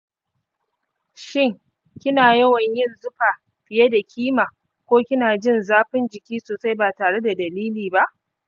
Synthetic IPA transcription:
ʃɪ˦˨ŋ | kʲɪ˦naː˨jɐ˦wɐ˨ɲjɪ˦nzʊ˦ka˨ | ɸɪ˨je˦da˨kʲʰiː˦maː˨ | kʷoː˦kʲɪ˦naː˨d͡ʒɪ˦nzaː˦ɸɪ˦nd͡ʒɪ˨kʲiː˦soː˨sa˦jbaː˨taː˨ɽe˦da˨dɐ˨liː˦liː˨ba˦ʔ

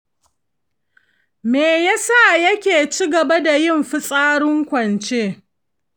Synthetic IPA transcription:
meː˨ja˦sa˦˨jɐ˦kʲeː˨t͡ʃi˦ɡɐ˨ba˦da˨jɪ˦˨mɸɪ˦sʼaː˦ɽʊ˦ŋkʷɐ˨nt͡ʃeː˦

